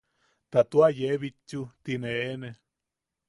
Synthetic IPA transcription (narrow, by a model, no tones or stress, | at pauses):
t̪at̪uajeβit͡ʃːut̪ineene